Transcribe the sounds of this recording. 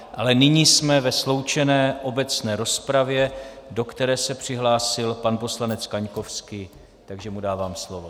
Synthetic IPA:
ʔalɛnɪɲiːsmɛvɛslo̞wt͡ʃɛnɛːʔo̞bɛt͡snɛːɾo̞spɾavjɛ | do̞kt̪ɛɾɛːsɛpr̝̥ɪɦlaːsɪlpanpo̞slanɛt͡skaɲko̞fskɪ | t̪aɡʒɛmudaːvaːmslo̞vo

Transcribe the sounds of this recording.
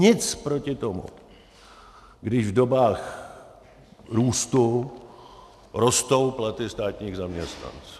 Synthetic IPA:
ɲɪt͡spɾo̞cɪt̪omṵ | ɡdɪʒvdobaːx | ɾuːst̪u | ɾo̞st̪o̞wplat̪ɪst̪aːt̪ɲiːɣzamɲɛst̪na̰nt͡s

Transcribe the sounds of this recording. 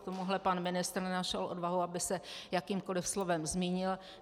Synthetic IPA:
t̪o̞muɦlɛpanmɪnɪst̪ɾnnaʃɛlʔo̞̰dvaɦuabɪsɛjakiːmko̞lɪfslovɛmzmiːɲɪl

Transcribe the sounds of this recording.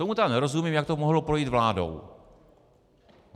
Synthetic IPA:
t̪omut̪aknɛɾo̞zumimjak̚t̪o̞moɦlopɾo̞jiːt̪vlaːdo̞̰w

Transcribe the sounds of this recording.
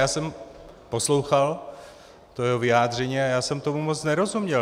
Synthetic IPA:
jaːsɛm | poslowxal | t̪ojɛɦovɪaːd̪r̝ɛɲiːajaːsɛmt̪omumot͡snɛɾozumɲɛ

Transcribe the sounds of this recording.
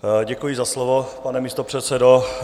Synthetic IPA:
ɟɛkujɪzaslovopanɛmist̪opr̝̥ɛt̪sɛdo

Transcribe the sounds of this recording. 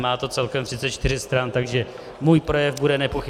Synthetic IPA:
maːt̪o̞tt͡sɛlkɛmt̪r̥ɪtt͡sɛt̪̚t͡ʃt̪ɪɾ̝ɪst̪ɾant̪aɡʒɛ | muːjpɾo̞jɛvbudɛnɛpoxɪ

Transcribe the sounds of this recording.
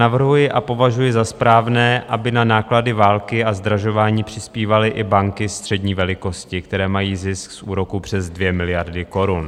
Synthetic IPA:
navr̩ɦujɪʔapo̞vaʒujɪzaspɾaːvnɛːʔabɪnanaːkladɪvaːlkɪazd̪ɾaʒo̞vaːɲiːpr̥ɪspiːvalɪʔɪbaŋkɪst̪r̥ɛdɲiːvɛlɪko̞scɪkt̪ɛɾɛːmajiːzɪsksʔuːɾo̞kupr̝̥ɛzdvjɛmɪlɪjaɾdɪko̞ɾun

